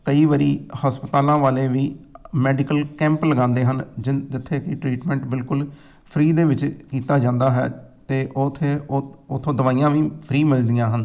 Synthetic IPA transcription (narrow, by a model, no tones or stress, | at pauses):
kəiːʋəɾiːhaːspɪt̪aːlãːʋaːleːʋiːmɛːɖɪkəlkɛ̃ːmpləɡãːnd̪eːɦənd͡ʒd͡ʒɪt̪ʰːeːkiʈɾiːʈmɛ̃ːɳʈbɪlkʊl | pʰɾiːd̪eːʋɪt͡ʃkiːt̪aːd͡ʒãːnd̪aːɦɛ̰ːt̪eːʔot̪ʰeːʊt̪ʰːõːd̪əʋaːijãːʋiːpʰɾiːmɪld̪ɪjãːɦən